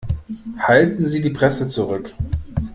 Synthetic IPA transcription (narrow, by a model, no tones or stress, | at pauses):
haltn̩ziːdiːpʁ̥ɛsət͡suʁʏk